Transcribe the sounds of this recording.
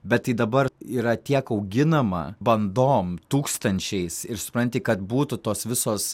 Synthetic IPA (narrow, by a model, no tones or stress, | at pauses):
bʲɛt̪tːɐɪd̪ɐbɐriːɾɐt̪ʲiɛkɐʊɡʲɪnɐmɐ̰bɐnd̪oːmt̪uːkst̪ɐnʲt͡ʃʲɛɪsɪɾsʊpɾɐnʲt̪ʲɪkɐt̪buːt̪ʊt̪oːsʋʲɪsoːs